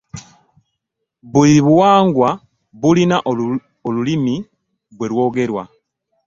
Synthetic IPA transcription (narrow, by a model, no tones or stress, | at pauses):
βuliβwaːŋɡwa | βulinaʔo | olulimi | βwe̞lwo̞ːɡe̞ɾwa̰